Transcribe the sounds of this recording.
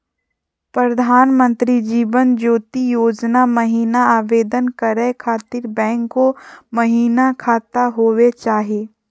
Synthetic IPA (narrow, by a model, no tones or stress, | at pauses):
pɾəd̪ʱaːnmə̃nt̪ɾid͡ʒiːʋənd͡ʒoːt̪ijoːd͡ʒnamɐɦiːnaaːʋeːd̪ənkɐɾəkʰaːt̪ɪɾbɛ̃ːŋkːomɐɦiːnakʰaːt̪aɦoːwet͡ʃaːɦieː